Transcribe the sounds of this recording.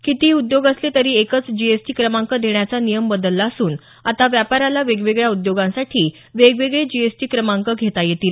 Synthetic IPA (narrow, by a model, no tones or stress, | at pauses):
kit̪iːud̪joɡəslet̪əɾiːekət͡sd͡ʑiesʈiːkɾəmãŋkəd̪ʱeɳjat͡sanijəmbəd̪əlːaəsuːn | at̪aʋjapaɾalaʋeɡʋeɡɭjaud̪joɡãsaʈʰiː | ʋeɡʋeɡɭed͡ʑiesʈiːkɾəmãŋkəɡʱet̪ajet̪iːl